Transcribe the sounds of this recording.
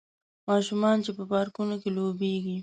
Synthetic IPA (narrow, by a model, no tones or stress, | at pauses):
mɑʃumɑnt͡ʃepəpɑɾkunokelobeɡi